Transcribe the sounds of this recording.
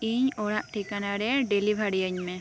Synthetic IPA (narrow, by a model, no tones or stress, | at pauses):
iɲoɽaʔʈʰikanaɽeɖeːlibʱaɽiəɲmẽ